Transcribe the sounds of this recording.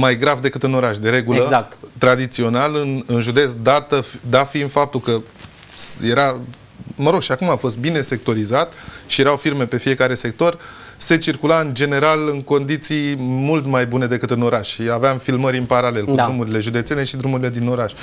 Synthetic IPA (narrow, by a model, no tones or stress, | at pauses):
majɡɾavd̪e̞kɨt̪ɨno̞ɾaʃd̪e̞ɾe̞ɡuləzakt̪t̪ɾad̪it̪sio̞nalɨnɨnʒud̪e̞t̪sd̪at̪əfd̪afiɨnfap̚t̪ulkə | je̞ɾa | məɾo̞ɡʃiakumafo̞st̪̚bine̞se̞k̚t̪o̞ɾizat̪ʃijeɾawfirme̞pe̞fije̞kaɾe̞se̞k̚t̪o̞r | se̞t͡ʃirkulaɨnd͡ʒe̞ne̞ɾalɨŋko̞nd̪it̪sijmult̪majbune̞d̪e̞kɨt̪ɨno̞ɾaʃʃiaveamfilməɾɨnpaɾale̞lkuɾumuɾile̞ʒud̪et̪se̞ne̞ʃid̪ɾumuɾile̞d̪ino̞ɾaʃʲ